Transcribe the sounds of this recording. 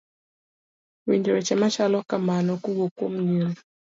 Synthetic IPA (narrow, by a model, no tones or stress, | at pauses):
wiɲd͡ʒoɾɛt͡ʃɛmat͡ʃalɔkamanɔkuɡokom̩ɲən